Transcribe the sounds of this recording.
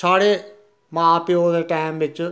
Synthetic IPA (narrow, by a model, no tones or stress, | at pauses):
t͡ʃʰaːɽe | mãaːpjod̪əʈaːɪmʋɪt͡ʃ